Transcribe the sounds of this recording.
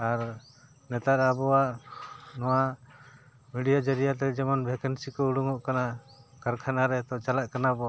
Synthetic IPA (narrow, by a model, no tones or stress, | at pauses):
aɾ | nɛt̪aɾabɔaʔnɔwa | miɖijad͡ʒəɾijat̪ɛd͡ʒɛmanbʱɛkənsikɔuɽuŋɔʔkana | kaɾkʰanaɾɛt̪ɔt͡ʃalaʔ̚kanabɔ